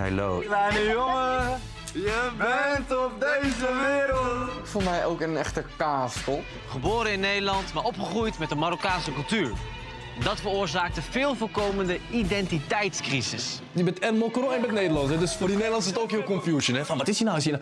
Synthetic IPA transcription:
hḛlo̰aəjoŋə | jəbɛtɔp̚dejzəʋɪːɾəl | fʊːɹmɛjowkənɛχtəkaːstɔ | χəboːɾəɪnːejdəlɑntmaːɹɔpχəχrujtmɛtdəmaɾokaːnsəkɵlˠtyːɹ | ndɑtfərʊːɹzaːk̚təvɪːlˠvɔlˠkowməndəidɛntitɛjtskrisɪs | əbɛtɛnmokroɛnbɛt̚nejdəlɑntɛdøsfʊːrdinejdəlɑntɪsətowkhɪːlkɔmfjuʃənɛfɑnʋɑtɪsjinawɪsin

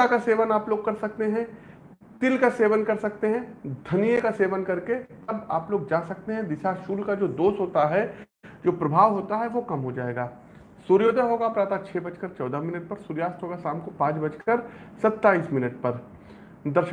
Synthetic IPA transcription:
akaseːʋənaːploːɡ̚kɐɾsɐk̚t̪eɦɛ̃ | t̪ɪlkaseːʋənkɐɾsɐk̚t̪eɦɛ̃d̪ʱɐnijekaseːʋənkɐɾke | ɐba̰ːploːɡ̚d͡ʒaːsɐk̚t̪eɦɛ̃d̪ɪʃaʃuːlkad͡ʒoːd̪oːsɦoːt̪aɦɛ | d͡ʒoːpɾɐbʱaːʋɦoːt̪aɦɛʋokɐmɦod͡ʒaːeːɡaː | suɾjoːd̪əɦoːɡapɾaːt̪at͡ʃʰɛːbɐt͡ʃkəɾt͡ʃɔːd̪amɪnəʈ̚pɐɾsuːɾjaːst̪ɦoːɡasãːmkopãːt͡ʃbɐt͡ʃkəɾsɐt̪ːaːiːsmɪnəʈ̚pɐɾ | d̪ɐɾʃ

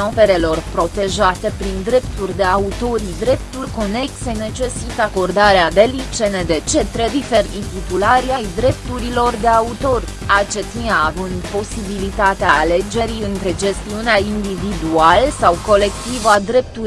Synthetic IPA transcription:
ope̞ɾe̞lo̞rpɾo̞t̪e̞ʒat̪e̞pɾind̪ɾe̞pt̪urʲd̪e̞aut̪o̞ɾid̪ɾe̞pt̪urʲko̞ne̞ksene̞t͡ʃe̞sit̪əako̞rd̪aɾead̪e̞lipt͡ʃe̞ned̪e̞t͡ʃe̞t̪ɾe̞difeɾʲint̪it̪ulaɾiajd̪ɾe̞p̚t̪uɾilo̞rd̪e̞aut̪o̞rʲ | at͡ʃe̞t̪inaːvɨnd̪po̞sibilit̪at̪eaale̞d͡ʒe̞ɾiɨnt̪ɾe̞d͡ʒe̞st̪iuneaind̪ivid̪ualsawko̞le̞kt̪ivad̪ɾe̞p̚t̪u

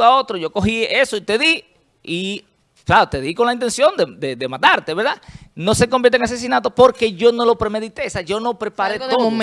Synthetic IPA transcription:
ao̞t̪ɾoʝoko̞xiesoit̪e̞ði | i | flaot̪e̞ðiko̞nlaint̪e̞nsjo̞nd̪ed̪eðemat̪aɾt̪eβeɾðano̞se̞k̬ombjeɾt̪eŋase̞s̬inat̪opo̞ɾke̞ʝo̞no̞lo̞pɾemeðit̪e̞saʝo̞no̞pɾepaɾet̪o

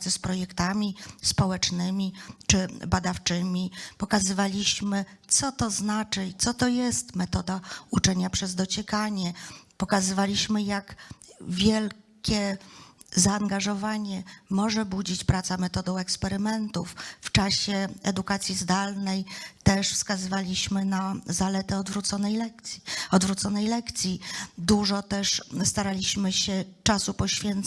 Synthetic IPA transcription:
sɛspɾɔjɛkt̪amʲispɔwɛt͡ʂnɘmʲit͡ʂɘbad̪aft͡ʂɘmʲipɔkazɘvalʲiɕmɘt̪sɔt̪ɔznat͡ʂɘt̪sɔt̪ɔjɛst̪mɛt̪ɔd̪aut͡ʂɛɲapʂɛzd̪ɔt͡ɕɛkaɲɛpɔkazɘvalʲiɕmɘjakvʲjɛlkʲɛ | zaːŋɡaʐɔvaɲɛmɔʐɛbud͡ʑit͡ɕpɾat̪samɛt̪ɔd̪ɔ̃w̃ɛkspɛɾɘmɛnt̪ufft͡ʂaɕɛɛd̪ukat̪sʲjizd̪alnɛjt̪ɛʂfskazɘvalʲiɕmɘnazalɛt̪ɛɔd̪vɾut̪sɔnɛjlɛkt̪ʲɔd̪vɾut̪sɔnɛjlɛkt̪sʲjid̪uʐɔt̪ɛʂst̪aɾalʲiɕmɘɕɛt͡ʂasupɔɕfʲjɛnt̪

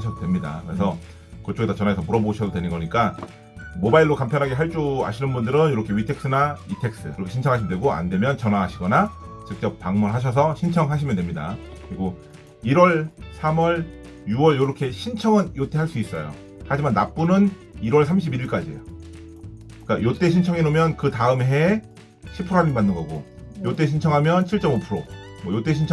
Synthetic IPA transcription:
ɕʰʌdodwemɲida̰kɯɾe̞sʰʌ | kɯt͡ɕ͈oɡesʰʌt͡ɕʌnaesʰʌmuɾʌboɕʰʌdodwe̞nɯnɡʌɲik͈a | mobaiɭːokampʰjʌnɦaɡeɦaɭt͡ɕ͈ua̰ɕʰinɯnbundɯɾɯnjoɾʌkʰe̞ɥitʰe̞k̚s͈ɯnaitʰe̞k̚s͈ɯjoɾʌkʰe̞ɕʰint͡ɕʰʌŋɦaɕ̬ʰimʌndweɡoa̰ndwe̞mjʌnt͡ɕʌnaŋɦaɕʰiɡʌnat͡ɕɯk̚t͡ɕ͈ʌp̚paŋmunɭɦaɕ̬ʰʌs̬ʰʌɕʰint͡ɕʰʌŋɦaɕ̬ʰimjʌndwemɲida̰kɯɾiɡo | iɾwʌɭsʰamwʌɭ | juwʌɭjoɾʌkʰe̞ɕʰint͡ɕʰʌŋɯnjot͈ʰe̞ɦaɭs͈uis͈ʌjo̰ | had͡ʑimanːap̚p͈unɯn | iɾwʌɭsʰamɕʰibiɾiɭk͈ad͡ʑiḛjo | k͈ajot͈e̞ɕʰint͡ɕʰʌŋinomjʌnkɯtaɯmɦe̞ | ɕʰipʰɯɾaɾibanːɯnɡʌɡojot͈e̞ɕʰint͡ɕʰʌŋɦamjʌnt͡ɕʰiɭt͡ɕ͈ʌmopʰuɾomwʌjot͈e̞ɕʰint͡ɕʰ

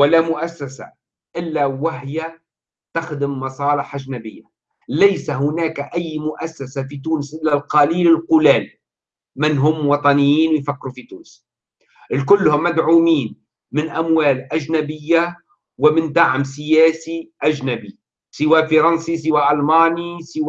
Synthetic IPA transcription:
wɪlamʊʔasːasa̰ | ʔɪlːawɪɦja | t̪axd̪ɪmːɑsˤɑːlɪħʔaʒnabɪjːa | lajsaɦʊnaːkaʔajːmʊʔasːasafit̪uːnɪsʔɪlːalqɑliːlɪlqʊlaːl | mɪnɦʊmːwɑt̪ˤɑnɪjːiːnwɪjfakːɪɾufit̪ṵːnɪs | ʔɪlkʊlːhʊmːad̪ʕuːmiːn | mɪnʔamwaːlʔaʒnabɪjːa | wɪmɪnd̪aʕmsɪjaːsiʔaʒnabi | sɪwafɑɾˤɑnsis̬ɪwaʔɑlmaːnisɪw

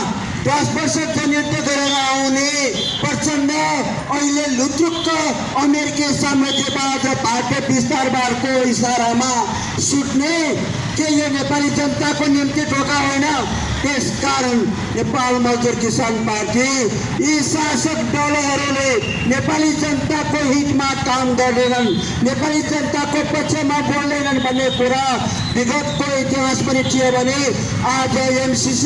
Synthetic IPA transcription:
d̪ʌsbʌrsʌd͡zʌnjint̪ʌɡ̪ʌɾeɾaawne | pʌrt͡sʌnɖʌ | ʌilelut̪ɾukt̪ʌː | meɾikisamʌt̪ibad̪ʌpaʈebist̪aɾbaɽkoisaɾama | suʈne | kejenepalid͡zʌnt̪akonimt̪it̪oɡaɦonʌ | t̪eskaɾʌn | nepalməɦd̪iɾkisanpaɾʈi | isasək̪ɖɔloɦəɾole | nepalid͡ʒənt̪akoɦit̪makamɡ̪əɾlelənː | epalid͡ʒənt̪akoəpətːt͡ʃʰemaboɽlelənbʱənːepuɾa | biɡət̪koit̪iɦasbəniʈʰiebəni | ad͡ʒeemsis

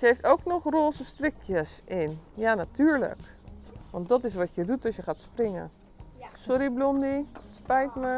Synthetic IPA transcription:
səejftowknɔχroːsəstrɪkʰjəsɪnjanatyːɹlə̰k | ʋɑ̰ntdɔtɪs̬ʋɔtjədutɔsjəχaːtsprɪŋə̰ | sɔɾiblɔndispɛjtmə

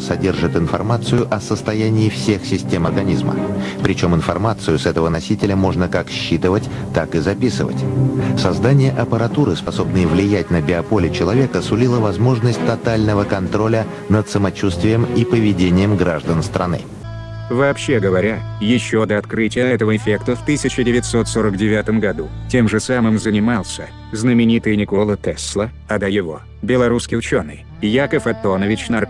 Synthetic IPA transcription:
sɐdʲe̞rʐɨt̪ɪnfɐ̰rmat̪sɨjʊʔɐsəst̪ɐjænʲɪːfsʲe̞xsʲɪsʲtʲe̞mərɡɐnʲizmə̰pɾʲɪt͡ɕo̞mɪnfɐrmat̪sɨjʊsɛt̪əvənɐsʲitʲɪlʲəmo̞ʐnəkakɕːit̪əvətʲ | t̪akɨzɐpʲisɨ̰və̰tʲsɐzd̪anʲɪjəʔɐpəɾɐt̪uɾɨspɐso̞bnɨjəvlʲɪjæt̚ʲnəbʲɪɐpo̞lʲɪt͡ɕɪlˠɐvʲe̞kəsʊlʲilˠəvɐzmo̞ʐnəsʲtʲt̪ɐt̪alʲnəvəkɐnt̪ɾo̞lʲə | nət̪səmɐt͡ɕust̪vʲɪjəmipəvʲɪdʲenʲɪjəmɡɾaʐd̪ənst̪ɾʔɐ̰nɨ̰ | vɐːpɕːe̞ɡəvɐɾʲa | jɪɕːo̞d̪əɐt̪kɾɨtʲɪjəɛt̪əvəɪfʲe̞kt̪əft̪ɨsʲɪt͡ɕɪdʲɪvʲɪt̪so̞t̪so̞ɾəkdʲɪvʲat̪əmɡɐd̪utʲe̞mʐɨsamɨmzənʲɪmalˠsʲə | znəmʲɪnʲit̪ɨjnʲɪklˠət̪ɛslˠə | ɐd̪ajɪvo̞̰ | bʲɪlˠɐɾuskʲɪjʊt͡ɕo̞nːɨj | jakəfɐt̪ːo̞nəvʲɪt͡ɕnɐr

